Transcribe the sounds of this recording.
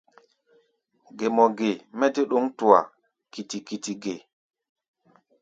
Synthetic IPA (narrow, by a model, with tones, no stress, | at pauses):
ɡe˨mɔ˨ɡe˨mɛ˦te˦ɗo˦ŋtu˨a̰˨ | ki˨ti˨ki˨ti˨ɡe˨